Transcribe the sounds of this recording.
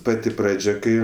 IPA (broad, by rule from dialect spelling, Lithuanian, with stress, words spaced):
ˈpɑːtʲɪ ˈprɑːd͡ʒʲɛ ˈkɐɪ